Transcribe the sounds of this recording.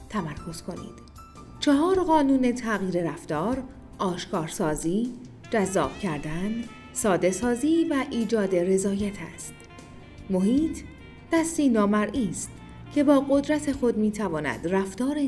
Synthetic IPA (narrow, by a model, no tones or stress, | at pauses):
t̪ʰæmæɾkʰo̞z̥kʰo̞nḭːd̪̥ | t͡ʃʰeɦɒːɾɢɒːnuːne̞t̪ʰæɣiːɾeɾæft̪ɒːɾ | ʔɒːʃkʰɒːɾsɒːziː | d͡ʒæzːɒ̰ːb̥cʰæɾd̪æn | sɒːd̪e̞sɒːziːvæʔiːd͡ʒɒːd̪e̞ɾe̞zɒːjæt̪ʰæ̰st̪ | mo̞hiːt̪ʰ | d̪̥æst̪iːnɒːmæɾʔiːst̪ | cʰe̞bɒːɣo̞d̪ɾæt̪ʰe̞xo̞d̪miːt̪ʰævɒːnæ̰d̪̥ræft̪ɒːɾe